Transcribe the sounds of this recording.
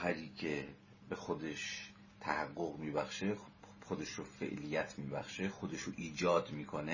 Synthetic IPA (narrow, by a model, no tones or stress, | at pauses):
xæɾiːcʰe | bexod̪eʃ | t̪ʰæhæɡːoɣmiːbæxʃexod̪eʃɾofḛʔlijæt̪ʰmiːbæ̰xʃexod̪eʃoʔiːd͡ʒɒːd̪miːkʰone